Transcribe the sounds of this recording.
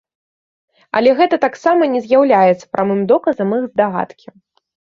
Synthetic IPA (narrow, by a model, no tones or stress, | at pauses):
ɐ̰lʲɛɣɛt̪ɐt̪aksamɐnʲɛzʲjawlʲajɛt̪sːɐ̥pɾʔamɨmd̪ɔkɐzɐmɨɣzd̪aɣa̰t̪kʲi